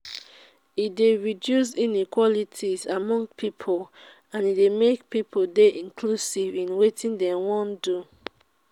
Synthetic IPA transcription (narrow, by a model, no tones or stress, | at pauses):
ideɹidjus̬ĩnikwɔlitʰizamɔ̃ŋɡpʰipʰol | ãnidemek̚pipʰodeʔĩnkʰlusivĩnwetʰĩndɛ̃wɔ̃ndu